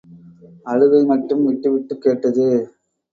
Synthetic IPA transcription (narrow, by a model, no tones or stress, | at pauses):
ɐɻɯɣɐɪmɐʈrɯmʋɪʈːɯʋɪʈːɯkːeːʈːɐðɯ